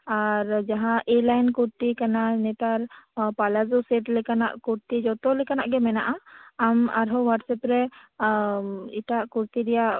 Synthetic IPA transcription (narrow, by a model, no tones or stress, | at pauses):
aɾd͡ʒaɦãʔelajnkuɾt̪ikananɛt̪aɾpalazusɛʈlɛkana̰ʔkuɾt̪id͡ʒɔt̪ɔlɛkanaʔɡɛmɛnaʔaama̰ɾɦɔwaʈsɛpɾɛ | iʈaʔkuɾt̪iɾɛja